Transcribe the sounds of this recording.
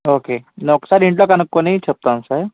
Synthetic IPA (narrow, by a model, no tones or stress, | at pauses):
okenɔksaɾiɳʈlɔkanəkːoniit͡ɕʰəp̚t̪aːmsa